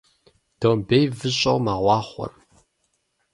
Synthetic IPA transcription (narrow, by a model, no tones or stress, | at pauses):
d̥oːmbejvɨɕʼɐwmaːʁʷɑːχʷɔ̰r